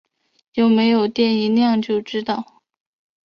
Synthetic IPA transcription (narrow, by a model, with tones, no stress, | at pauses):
jo˥˩ʊme˧˥ɪjo˨˩ʊt̪jɛ˥˩ni˧˥ljɑ˥˧ŋt͡ɕjo˥˧ʊʈ͡ʂɻ̩˥t̪ɑ˥˩ʊ